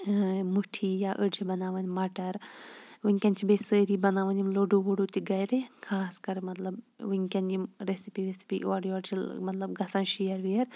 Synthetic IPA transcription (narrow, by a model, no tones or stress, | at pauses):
muʈʰijaʔəɽd͡ʒibɐnaːʋɐnmaːʈɐɾʋuŋʲkʲɐnt͡ʃʰibesəːɾibɐnaːʋɐnʲimloɖuʋuɽut̪iɡɐjɾekʰaːskɐɾmɐt̪lɐb | ʋiŋkʲɐnimɾesipiɾesi̥pḭʔoːɽioːɽt͡ʃʰilmɐt̪lɐbɡɐsɐ̃nʃijɐɾʋiɐɾ